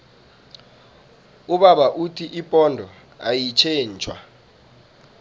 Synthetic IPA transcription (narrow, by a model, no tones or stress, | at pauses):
uɓaɓaʔutʰiʔipʼɔndʱɔ | ajit͡ʃʰeːnt͡ʃʰʼwa̰